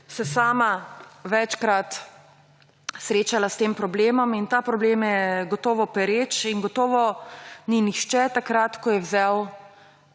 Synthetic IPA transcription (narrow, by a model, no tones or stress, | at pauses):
sɛsaːmaʋɛt͡ʃkɾat̪ | sɾeːt͡ʃalast̪eːmpɾɔbleːmɔmint̪aːpɾɔbleːmjɛɡɔt̪ɔːʋɔpɛɾeːt͡ʃiŋɡɔt̪ɔːʋɔninixʃt͡ʃɛt̪akɾat̪kɔjɛwzɛw